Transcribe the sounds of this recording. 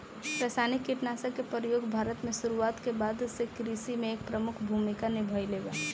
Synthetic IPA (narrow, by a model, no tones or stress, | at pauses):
pɾɛsaːnɪkːɪʈnaːsəkepəɾjoːɡbʱaːɾət̪mẽʃʊɾuaːt̪kebaːd̪ʊsːekɾisimẽeːk̚pɾəmʊkʰbʱuːmɪkanɪbʱəjleːɡaː